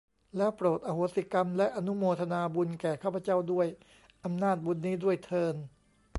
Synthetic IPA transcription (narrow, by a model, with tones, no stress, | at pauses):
lɛː˦˥wpɾoː˨˩t̪̚ʔa˧hoː˨˥si˧˩ka˧mlɛ˦˥ʔa˧nu˦˥moː˧t̪ʰa˧naː˧bu˧nkɛː˨˩kʰaː˥˩pʰːa˧˦t͡ɕa˥˩wdu˥˩əj | ʔa˧mnaː˥˩t̪̚bu˧nːiː˦˥du˥˩əjt̪ʰɤː˧n